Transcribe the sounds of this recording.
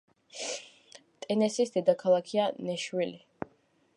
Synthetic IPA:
t̪ʼɛnɛsisd̪ɛd̪akʰalˠakʰianɛʃwili

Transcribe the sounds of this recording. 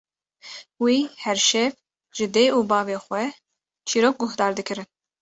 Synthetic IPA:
wiːhɛɾʃɛv | ʒ̥ɨd̪eːʔuːbɑːveːxwɛ | t͡ʃʰiːɾoːk̚ɡʊhd̪ɑːɾd̪ɨkɨɾɨn

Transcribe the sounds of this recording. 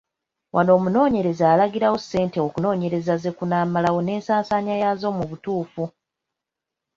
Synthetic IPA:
wʔano̞ːmuno̞ːɲe̞ɾe̞zaːlaɡiɾawo̞sːe̞ːnte̞o̞kuno̞ːɲe̞ɾe̞zaze̞kunaːmalawo̞ne̞ːnsaːnsaɲajazo̞ːmuβutuːfu

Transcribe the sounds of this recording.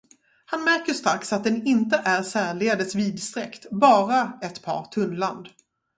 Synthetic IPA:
hanmæɾkəʂt̪ɾaksat̪̚d̪ɛnɪnt̪əʔæɾsæːɭɪɡad̪əsviːd̪st̪ɾɛ̰kt̪bɑːɾaɛt̪pʰɑ̰ːɾt̪ʰɵnland̪

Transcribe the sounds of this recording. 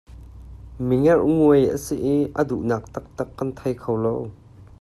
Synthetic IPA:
miŋɛrŋuəjʔə̰siʔiʔəduʔnaːk̚t̪ɐk̚t̪ɐkːɐnt̪ʰɐjkʰowlow

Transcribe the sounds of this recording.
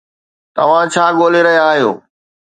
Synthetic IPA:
t̪ɐʋ̤ãt͡ɕʰaːɠoːleɾɐɦijaːɦijo̰ː

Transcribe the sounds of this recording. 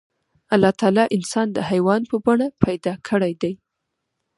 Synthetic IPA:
alːɑt̪ɑlɑʔɪnsɑnd̪əhajwɑnpəbaɳapʰajd̪ɑkʰəɽajd̪aj

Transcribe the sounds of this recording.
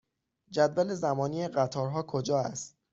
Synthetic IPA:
d͡ʒæd̪væle̞zæmɒːniːeɢæt̪ʰɒːɾɦɒːkʰod͡ʒɒːæ̰st̪̚

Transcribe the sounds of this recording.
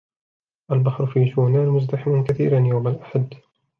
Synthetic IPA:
ʔalbaħɾʊfiːʃuːnaːnmʊzd̪aħɪmankaθḭːɾanjawmalʔaħad̪

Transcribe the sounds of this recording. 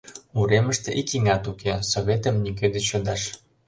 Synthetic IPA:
uɾeməʃt̪eʔikiŋɑt̪ukʰesoβʲet̪əmnik̬ød̪et͡ɕod̪ɑʃ

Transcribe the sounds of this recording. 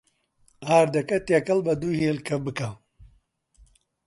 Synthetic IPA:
aːɾd̪ɐkɐt̪jɐkɐlbɐd̪uːheːlkʰɐbɨkɐ

